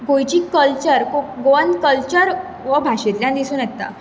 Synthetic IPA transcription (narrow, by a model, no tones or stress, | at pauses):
ɡojt͡ɕiːkəlt͡ɕəɾkoɡoʋənd̪kəlt͡ɕəɾ | ʋəbʱaɕet̪ljãnd̪isuːnjɛt̪ːa̰